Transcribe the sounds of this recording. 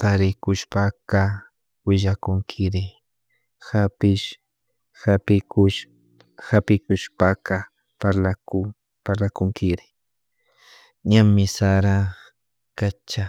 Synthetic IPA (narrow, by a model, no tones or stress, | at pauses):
t̪aɾɪkʊʃpaka | wɪʒakʊŋkʰɪɾɪ | hapɪʃ | hapɪkʊʃ | hapɪkʊʃpaka | paɾlakʊ | paɾlakʊŋkɪɾɪ | ɲammɪsaɾa | kat͡ʃa